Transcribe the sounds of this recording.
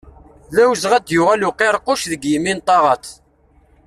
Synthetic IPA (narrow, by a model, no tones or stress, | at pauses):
ðæwzʁæd̪jʊʁæluqːeɾˤqːʊʃðəɡjimːint̪ˤɑʁɑt̪